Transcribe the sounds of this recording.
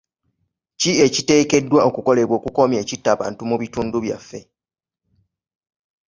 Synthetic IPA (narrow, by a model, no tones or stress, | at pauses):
cie̞cite̞ːke̞dːwao̞kuko̞le̞βwo̞ːkuko̞mje̞ːcitːaːβa̰ːntumuβituːnduβja̰fːe̞